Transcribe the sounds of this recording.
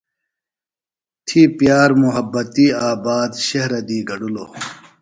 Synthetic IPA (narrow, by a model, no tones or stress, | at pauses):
t̪ʰipjaːɾmuɦɐbːɐt̪iaːbaːd̪ɕɐɦɾɐd̪iːɡɐɖuloː